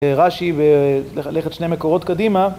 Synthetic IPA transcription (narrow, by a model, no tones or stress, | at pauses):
eʁaʃiveleχet̪ʃnejmeko̞ʁo̞t̪kadima